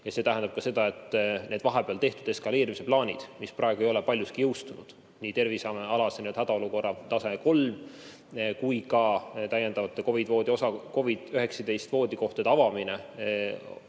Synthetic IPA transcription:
jɑset̪æɦænd̪ɑb̥̚kɑse̞d̪̥ɑe̞t̪ːˑne̞ːd̪̥vɑɦepeɑlt̪e̞ht̪ud̥̪e̞skɑle̞ːɾimise̞plɑːnʲid̪̥misprɑeɡ̥uejo̞le̞pɑlʲjuskijɤwst̪unud̪̥ | nʲiːt̪e̞rvisɑmɑlɑsenød̪hæd̪̥ɑo̞luko̞rːɑt̪ɑseeko̞lm | kujkɑt̪æjend̪̥ɑvɑt̪ːˑeko̞vid̪̥vo̞ːd̪ʲio̞sɑko̞vid̪̥øɦe̞ksɑd̪e̞jst̪vo̞ːd̪̥ʲiko̞ht̪ed̪ɑvɑmine

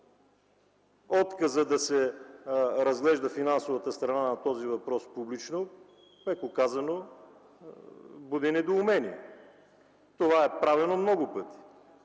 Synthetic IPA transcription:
ɔt̪kəzəd̪ɐsɛ | ɾɐzɡlɛʒd̪əfinansovɐt̪əst̪ɾɐnanɐt̪ɔzivɐpɾɔspublit͡ʃno | pɛkokazɐno | bud̪ɛnɛd̪oːmɛniɛ | t̪ovaɛpɾavɛnomnɔɡʊpɤt̪i̥

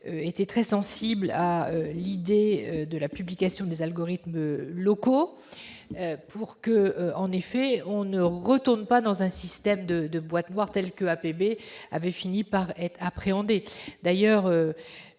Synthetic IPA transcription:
øet̪ɛt̪χɛsɑ̃siblaølid̪eød̪əlapyblikasjɔ̃d̪ezalɡɔʁit̪mølɔko | øpʰuʁkəɑ̃nefɛɔ̃nəʁət̪uʁnpad̪ɑ̃zɛ̃sist̪ɛmd̪əd̪əbwat̪nwaʁt̪ɛlkəapebea̰vɛfinipaʁɛt̪χapχeɑ̃d̪ed̪ajœʁø

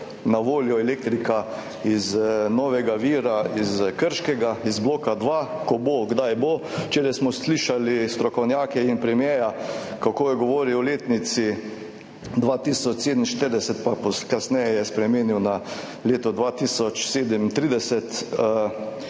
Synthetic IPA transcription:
naʋoːljɔɛleːk̚t̪ɾika | iznɔːʋɛɡaʋiːɾaizkəɾʃkɛɡaizbloːkad̪ʋakɔboɡd̪ajbot͡ʃeːɾasmɔsliʃalist̪ɾɔkɔwnjaːkɛinpɾɛmjɛːjakakoːjɛɡɔʋoːɾiɔleːt̪nit̪si | d̪ʋaːt̪iːsɔt͡ʃseːd̪əmnʃt̪əɾd̪ɛsɛt̪̚papɔskasnɛjɛjɛspɾɛmiːniwna | leːt̪ɔd̪ʋaːt̪isɔt͡ʃseːd̪əmint̪ɾid̪ɛsɛt̪

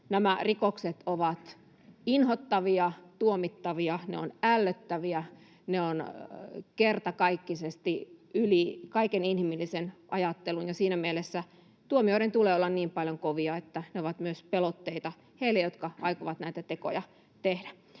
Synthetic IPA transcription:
næmærikokset̪oʋɑt̪ | inhot̪ːɑʋiɑt̪uomit̪ːɑʋiɑnḛonælːøt̪ːæʋiæ | neon | kert̪ɑkɑikːisest̪iylikɑikeninhimilːisenʔɑjɑt̪ːelunjɑsiːnæmielesːæ | t̪uomioiɾent̪uleːolːɑnniːmpɑljoŋkoʋiɑet̪ːæneoʋɑt̪myøspelot̪ːeit̪ɑ | heilːejot̪kɑɑikoʋɑt̪næˑit̪æt̪eko̰jɑ̰ | t̪ehdæ

